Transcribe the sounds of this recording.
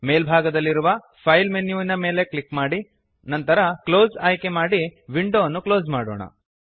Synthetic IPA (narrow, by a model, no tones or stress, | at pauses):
meːlbʱaːɡɐd̪ɐlːiɾuʋɐ | pʰɐjlmenjuːinɐme̞ːle̞klikmaːɽi | nɐnt̪ɐɾɐklo̞ːzaːjke̞maːɽiʋiɳɖoːɐnːuklo̞ːzmaːɽo̰ːɳɐ̰